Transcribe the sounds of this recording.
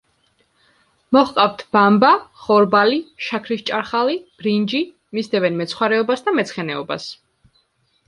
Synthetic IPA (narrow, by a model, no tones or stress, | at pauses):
mɔχqʼaft̪ʰb̥ambaχɔɾbaliʃakʰɾist͡ʃʼaɾχalib̥ɾind͡ʒi | misd̪ɛvɛnmɛt̪sʰχwaɾɛɔbasd̪amɛt̪sʰχɛnɛɔba̰s